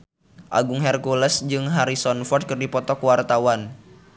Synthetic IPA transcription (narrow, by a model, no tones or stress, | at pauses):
ʔa̰ɡʊŋɦɛrkulɛsd͡ʒɨŋɦaɾisɔnfɔrt̪̚kərdipɔt̪ɔkwart̪awan